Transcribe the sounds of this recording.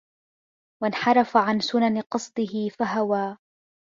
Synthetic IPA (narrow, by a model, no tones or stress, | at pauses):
wanħɑɾˤɑfaʕansʊnanɪqɑsˤd̪ˤɨhɪfaɦawaː